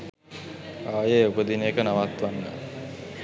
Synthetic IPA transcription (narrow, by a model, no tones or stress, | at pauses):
aːjeːupəd̪inəjekənaʋat̪ʋanːə̰